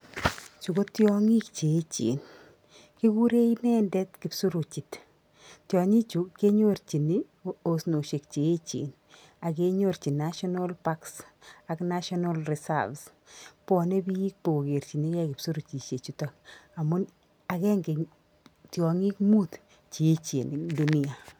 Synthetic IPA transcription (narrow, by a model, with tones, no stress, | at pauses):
t͡ʃu˨ko˦tjɔŋi˦kt͡ʃe˨e˦t͡ʃḭ˨n | ki˦ku˦ɾe˦inɛ˦ndɛ˦tkɪ˨psu˦ɾo˨t͡ʃi˨t | tjɔ˨ɲi˦t͡ʃu˨ke˦ɲo˦rt͡ʃi˨ni˦ | osno˨ʃe˨k̚t͡ʃeː˨˦t͡ʃḭ˨n | a˨ke˧ɲo˦rt͡ʃi˨naʃɔna˦lpa˦ksakna˦ʃɔna˦lrɪ˨sa̰vs | pɔ˨ne˦bi˦i˦k̚po˨o˨ke˨rt͡ʃi˨ni˦kɛ˦kɪ˨psu˦ɾu˨t͡ʃi˨t͡ʃe˨t͡ʃu˨ta˨ka˨mʊ˦n | a˨kɛ˦ŋɡe˨ | tjɔ˨ŋi˦kmu˦t̪ | t͡ʃi˨e˦t͡ʃe˨ndu˨ni˦a˨